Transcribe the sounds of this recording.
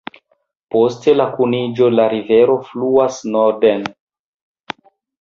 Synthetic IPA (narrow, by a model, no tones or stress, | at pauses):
po̞ste̞lakunid͡ʒo̞laɾive̞ɾo̞fluasnoɾden